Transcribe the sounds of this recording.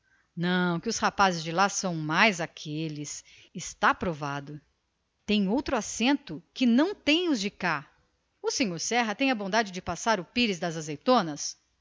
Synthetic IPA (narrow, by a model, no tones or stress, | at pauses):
nɐ̃w̃kɪʊshapazɪzd͡ʒɪlasɐ̃w̃majzakʰelɪs | ɪst̪apɾovad̪ʊ | t̪ẽj̃owt̪ɾʊasẽnt̪ʊkɪnɐ̃w̃t̪ẽj̃ʊzd͡ʒɪka | ʊsẽɲoɾsɛɦɐt̪ẽj̃ɐbõd̪ad͡ʒɪd͡ʒɪpasaɾʊpiɾɪzd̪ɐzazejt̪õnɐs